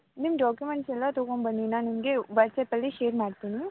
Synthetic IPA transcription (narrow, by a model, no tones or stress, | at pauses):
nimɖaːkjumeɳʈsɛlːɐt̪oːkoɳbɐnd̪inaːnimɡeʋɐʈsɛpɐlːiʃeːɾmaːɖt̪iːni